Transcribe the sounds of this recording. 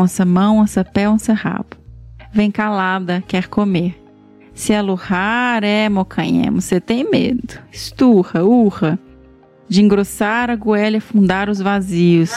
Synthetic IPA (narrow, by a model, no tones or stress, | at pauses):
sɐmɐ̃w̃ẽsɐpɛõseha̰bɐ̥vẽj̃kalad̪ɐkɛɾkʰomeɾ | sɪalohaɾɛmokʰɐ̃ɲɛ̰̃mʊset̪ẽj̃mḛd̪ʊɪst̪uhɐuhɐ | d͡ʒɪĩŋɡɾosaɾɐɡuɛlɐfũnd̪aɾʊzvaziʊs